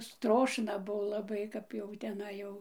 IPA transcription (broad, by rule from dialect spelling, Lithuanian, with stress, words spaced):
ˈstroːʃnɐ ˈbuɔ lˠɐˈbɐɪ kɐp jɛʊ tʲɛˈnɐɪ jɛʊ